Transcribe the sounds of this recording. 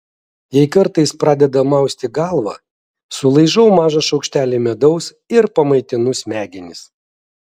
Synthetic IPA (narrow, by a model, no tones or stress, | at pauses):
jɛɪkɐɾt̪ɐɪspɾɑːd̪ʲɛd̪ɐmɐˑʊsʲt̪ʲɪɡɑˑlˠʋɐ̰ | sʊlˠɐɪʒɐʊmɑːʒɐʃɐʊkʃʲt̪ʲæːlʲemʲɛd̪ɐʊs | ɪɾpɐmɐɪt̪ʲɪnʊsmʲæːɡʲɪnʲɪs